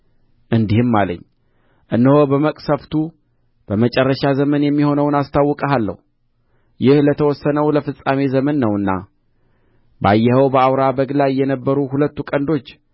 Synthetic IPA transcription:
ʔɨnd̪ihɨmːalə̰ɲː | ʔɨnːəho̞bəməkʼsəft̪ʰu | b̥əmət͡ʃʼɛrːəʃazəmənjɛmːiho̞nəwnast̪ʰawːɔkʼəɦalːə̰hu | jɪhlət̪ʰəwɔsːənəwləfɨsʼamezəmənːəwɨnːa̰ | bajːɛhəwbəawɾabəɡlajjːɛnəbːəɾuhulət̪ːukʼənd̪o̞t͡ʃː

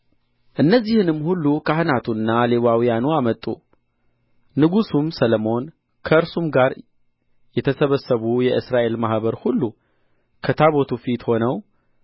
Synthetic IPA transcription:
ʔɨnːəzːihɨnɨmːhulːukʰahɨnat̪ʰuɨnːale̞βawijanuamət̪ʼːṵ | ɨɡusumsələmo̞n | kʰəɨɾsumɡaɾ | jɛt̪ʰəsəβəsːəβujɛʔɨsɾaʔe̞lmahbəɾhulːu | kʰət̪ʰaβo̞t̪ʰufit̪ho̞nəw

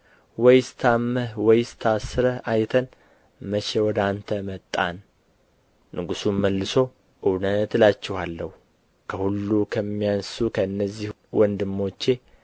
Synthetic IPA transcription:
wɔjst̪ʰamːəhwɔjst̪ʰasɨɾəʔajt̪ʰən | məʃewɔd̪ant̪ʰəmət̪ʼːan | ɨɡusunməlːɨso̞ | ʔɨwnət̪lat͡ʃːɛhalːəhu | kʰəhulːukʰəmːijansukʰəɨnːəzːih | wʔɔnd̪ɨmːo̞t͡ʃːe̞

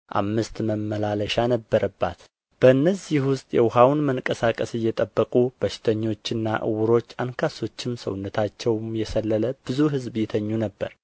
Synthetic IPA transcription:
ʔa̰mːɨst̪məmːəlaləʃanəbːəɾəbːa̰t̪ | b̥əɨnːəzihwʊst̪ʼjɛwʊhawnməŋkʼəsakʼəsɨjːɛt̪ʼəbːəkʼub̥əʃɪ̥t̪ʰəɲːo̞t͡ʃːɨnːa̰ʔɨ̰wʊɾo̞t͡ʃːankʰaso̞t͡ʃːɪmsə̰wʊnːət̪ʰat͡ʃːɛwmjɛsəlːələb̥ɨzuɦɨzbjɛt̪ʰəɲːunəbːə̰ɾ

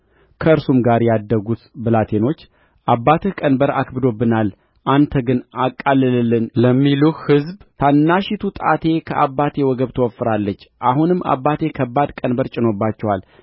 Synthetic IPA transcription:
kʰəɨɾsumɡaɾjɛad̪ːəɡut̪bɨlat̪ʰe̞no̞t͡ʃː | ʔabːat̪ʰəkʼənbəɾa̰kbɨd̪o̞bːɨnal | ʔant̪ʰəɡɨnakʼːalːɨlɨlːɨnləmːiluhɨzbt̪ʰanːaʃit̪ʰut̪ʼa̰t̪ʰe̞kʰəʔabːat̪ʰe̞wɔɡəβt̪ʰəwɔfːɨɾalːət͡ʃːʔahunɨmːʔa̰bːat̪ʰe̞kʰəbːad̪kʼənbəɾt͡ʃʼɪno̞bːat͡ʃːɛwal

